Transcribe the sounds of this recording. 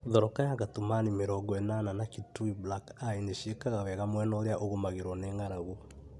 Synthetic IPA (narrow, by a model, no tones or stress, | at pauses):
ðɔɾɔkajaɣatomanimeɾɔɡɔɛnananakituiblakaineɕiekaɣaβɛɣamwɛnɔoɾeaʔoɣomaɣeɾwɔneːŋaɾaɣo